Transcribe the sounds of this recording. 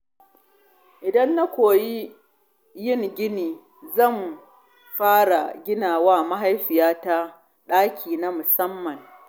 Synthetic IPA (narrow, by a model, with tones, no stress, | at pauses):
ʔɪ˨dɐ˦nːa˦kʷoː˨ji˦ | jɪ˦˨ŋɡʲɪ˦niː˨ | zɐ˦˨m | ɸaː˦ɽa˨ɡʲɪ˦naː˨waː˦˨ma˦ɦa˦jɸɪ˨jaː˦ta˦ | ɗaː˦kʲʰiː˨na˦mʊ˨sɐ˦mːɐ˨ŋ